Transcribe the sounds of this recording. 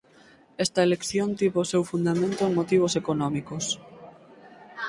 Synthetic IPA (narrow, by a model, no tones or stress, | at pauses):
est̪ɐelekθjont̪iβoːsewfund̪amẽnt̪oeŋmot̪iβ̞osekonɔmikos